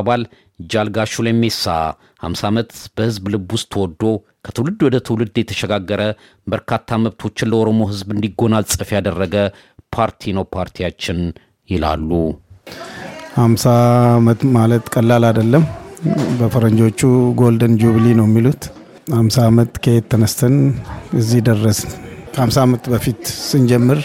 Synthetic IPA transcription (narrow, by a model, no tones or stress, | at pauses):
abal | d͡ʒalɡaʃulajme̞sːa̰ | ha̰msaamət̪b̥əhɨzblɨbʊst̪ʰwɔd̪ːo̞ | kʰə̥t̪ʰɨwlɨd̪ːwɔd̪ət̪ʰɨwlɨd̪jɛt̪ʰə̥ʃɛɡaɡːəɾə | bəɾkʰat̪ʰːaməβt̪ʰo̞t͡ʃːɪnləo̞ɾo̞mo̞ɦɨzbɨnd̪iɡo̞nalsʼəfjad̪ərːəɡə | pʰaɾt̪ʰinəwpʰaɾt̪ʰijat͡ʃːɪn | jɪla̰lːu | hamsamət̪malət̪kʼəlːalad̪əlːəmbəfəɾəɲd͡ʒot͡ʃːuɡo̞ld̪ənd͡ʒuβlinəwjɛmːilut̪ | hamsaːmət̪kʰəhet̪ʰːənəst̪ʰənɨzːihd̪ərːəsnkʰəhamsaːmət̪bəfit̪sɨnd͡ʒɛmːɨɾ